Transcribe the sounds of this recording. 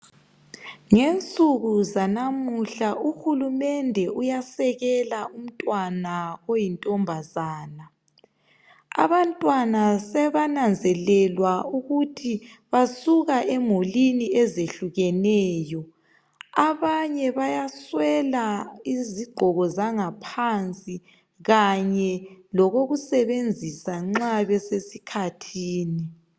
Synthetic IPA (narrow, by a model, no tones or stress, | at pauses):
ŋent͡sʼuɣuzanamuɬaʔuxulumɛndʱɛujasɛɣɛlaum̩tʼwanaojintʼɔmbʱazaːna | a̰βantʼwanasɛβanand͡zʱɛlɛlwauɣutʰi | βasuɣaʔɛmoliniɛzeɬuɣɛnɛːjɔ | aβaɲɛβajaswɛlaiziɡ͡ǃʱɔɣɔzaŋapʰant͡sʼi | ɣaɲɛlɔɣoɣusɛβend͡zʱisaŋ͡ǁaβɛsesikʰatʰiːni